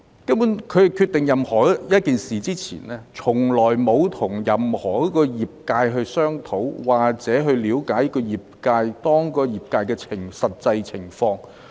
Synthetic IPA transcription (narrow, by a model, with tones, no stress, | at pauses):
kɐ˥mpuː˨˥nkʰɵ˨˧ɥjkʰyː˧t̪ːɪ˨ŋjɐ˨mhɔː˨˩jɐ˥t̚kiː˨nsiː˨t͡siː˥t͡sʰḭː˨˩nlɛː˥t͡sʰʊ˨˩ŋlɔː˨˩jmo˨˧wt̪ʰʊ˨˩ŋjɐ˨mhɔː˨˩kɔ˦˥kɔː˧jiː˨p̚kaː˧jɦɵ˧ɥsœː˥ŋt̪ʰo˨˥wwaː˨˩k̚t͡sɛː˨˥ɦɵ˧ɥliː˨˧wkaː˨˥jɐ˥kɔː˧jiː˨p̚kaː˧jt̪ɔː˥ŋkɔː˧jiː˨p̚kaː˧jkɛː˧t͡sʰɪ˨˩ŋsɐ˨t̚t͡sɐ˧jt͡sʰɪ˨˩ŋfɔː˧ŋ